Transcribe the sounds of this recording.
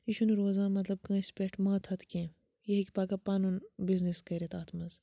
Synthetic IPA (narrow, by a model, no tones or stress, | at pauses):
iʃunɾoːzãːmɐt̪lɐb̚kãːispeʈʰmaːt̪ʰɐt̪ʰkʲẽ | jɐɦikʲpaːkɐpaːnunbizniskɐɾʲɐt̪aːt̪ʰmɐz